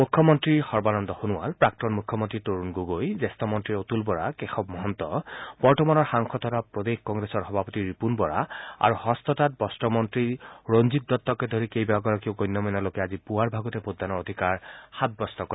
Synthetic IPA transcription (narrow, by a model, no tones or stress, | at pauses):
mukʰːɔmɔntɹixɔɹbanɔnd̪ɔxunuwa̰lpɹak̚tɔnmukʰːɔmɔntɹitoɹunɡoɡojzest̪ɔmɔntɹiɹot̪ulbɔɹa̰kexɔbmɔɦɔnt̪ɔ̰bɔɹtɔmanɔɹxaŋkʰɔt̪ʰɔtapɹod̪exkɔŋɡɹesɔɹxɔbʱapɔt̪iɹipunbɔɹa̰a̰ɹuhɔst̪ɔtat̚bɔstɔmɔntɹiɹonzit̚d̪ɔtːɔkɛd̪ʱoɹikejbaaɡɔɹɔkeʊɡɔjnːɔmɔjnɔlokɛazipuaɹbʱaɡɔtɛpod̪ʱːanɔɹod̪ʱikaɹxat̚bɔstɔkɔ